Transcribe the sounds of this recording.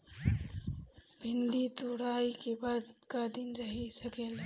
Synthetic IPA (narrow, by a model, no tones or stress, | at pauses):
bʱɪnd̪it̪uɽaːikebaːd̪kad̪ɪnɾɐɦisɐkeːl